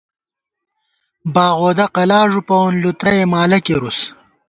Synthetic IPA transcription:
baːʁoːd̪ɐqɐlaːʐupɐwonlut̪ɾɐjemaːlɐkeɾus

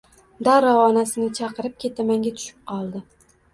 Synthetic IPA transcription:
d̪aɾɒwɒnasɪnɪt͡ʃʰɑqɨɾɪp̚kʲʰe̞t̪ʰamaŋɡʲat̪ʰʊ̥ʃɪ̥p̚qʰɒlˠd̪ɪ

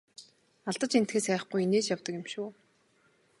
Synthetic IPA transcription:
aɮt̪ə̆t͡ɕen̥t̪xeːsæːχɡujineːt͡ɕjawt̪ə̆kɪ̆mʃuː

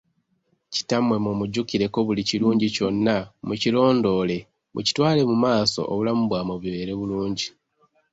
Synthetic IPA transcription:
ci̥tamwe̞momuɟukiɾe̞ko̞βuliciluːɲɟico̞nːamucilo̞ːndo̞le̞ | mṵci̥twaːle̞mumaːso̞̰ʔo̰βulamuβwaːmoβjiβe̞ɾe̞βuluːɲɟi

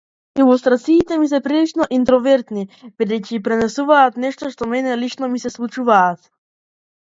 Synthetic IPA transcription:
ilɔst̪ɾat̪siːt̪ɛmisɛpɾilit͡ʃnɔʔint̪ɾɔvɛɾt̪nibid̪ɛjcipɾɛnɛsuvaːt̪nɛʃt̪ɔʃt̪ɔmɛnɛlit͡ʃnɔmisɛslˠut͡ʃuvaːt̪̚

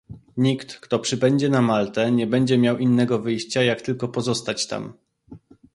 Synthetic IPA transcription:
ɲikt̪kt̪ɔpʂɘbɛɲd͡ʑɛnamalt̪ɛɲɛbɛɲd͡ʑɛmʲjawʔinːɛɡɔvɘjɕt͡ɕajakt̪ɘlkɔpɔzɔst̪at͡ɕt̪a̰m

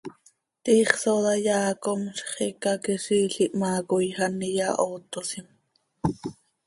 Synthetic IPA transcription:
t̪iːχsod̪ɑjɑːkomʃχikɑkiʃiːɬiʔmɑːkojxɑnijɑʔoːt̪osim

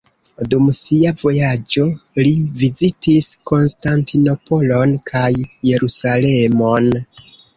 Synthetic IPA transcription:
dumsiavo̞jad͡ʒo̞livizitisko̞nstantʰino̞po̞lo̞nkʰajːe̞ɾusale̞mo̞n

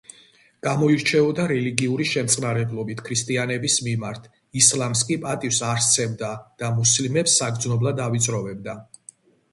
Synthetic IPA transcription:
ɡ̥amɔiɾt͡ʃʰɛɔd̪aɾɛliɡiuɾiʃɛmt̪sʼnaɾɛblˠɔbit̪ʰkʰɾist̪ʼianɛbismimaɾt̪ʰ | islˠamskʼipʼat̪ʼifsaɾst̪sʰɛmd̪ad̪̥amuslimɛpsːaɡɾd̪znɔblˠad̪avit̪sʼɾɔvɛb̚d̪a

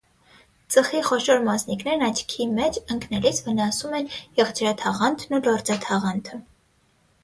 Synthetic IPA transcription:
t͡səχiχɔʃɔɾmɑsniknɛɾnɑt͡ʃʰkʰimɛt͡ʃəŋkʰnɛlit͡sʰvənɑsumɛnjɛʁd͡ʒɾɑt̪ʰɑʁɑnt̪ʰnulɔɾd͡zɑt̪ʰɑʁɑnt̪ʰə

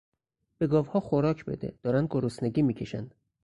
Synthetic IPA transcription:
b̥e̞ɡɒːvhɒːxoɾɒːcʰbe̞̰d̪ed̪̥ɒːɾænd̪̚ɡoɾosneɟiːmiːcʰe̞ʃænd̪̥

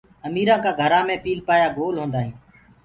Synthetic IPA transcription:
əmiːɾãːkaːɡʱəɾãːmẽːpiːlpaːjaːɡoːlɦõːnd̪aːɦĩː

